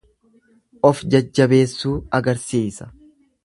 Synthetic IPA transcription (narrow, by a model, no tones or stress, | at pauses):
ʔɔfd͡ʒɐd͡ʒːɐbe̞ːsːuːɐɡɐɾsiːsɐ̥